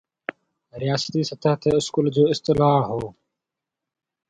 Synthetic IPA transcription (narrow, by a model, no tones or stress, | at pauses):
ɾɪjaːsə̥t̪iːsət̪ʰəɦt̪eːʊskuːld͡ʑoːɪst̪ɪlaːɦoː